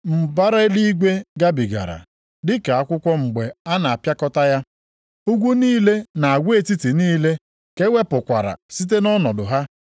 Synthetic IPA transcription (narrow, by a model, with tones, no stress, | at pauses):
m̩˨ba˦ɾe˦e˦li˦ɡʷe˦ɡa˦bi˨ɡa̰˨ɾa̰˨ | dɪ˦ka˨a˦kʷʊ˦kʷɔ˦ŋ͡m̩˨ɡ͡be˨a˦na˨a˨pja˦kɔ˦ta˦ja˦ | u˦ɡʷu˦niː˦le˦na˨a˨ɡʷe˦˨ti˦ti˨niː˦le˦ | ke˦we˦pʊ˨kʷa˨ɾa̰˨si˦t̬e˦nɔ˦nɔ˨dʊ˨ɦa˦